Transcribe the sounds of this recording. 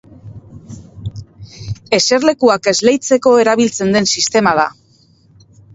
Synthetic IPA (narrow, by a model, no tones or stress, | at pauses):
e̞se̞ɾle̞kuake̞zle̞jt͡se̞ko̞e̞ɾaβilt͡se̞nd̪e̞nsist̪e̞mað̞a̰